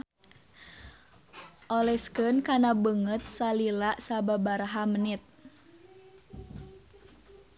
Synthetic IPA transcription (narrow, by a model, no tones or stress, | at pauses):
ʔɔlɛskənkanabəŋət̪̚salilaʔsababaɾaɦamənit̪̚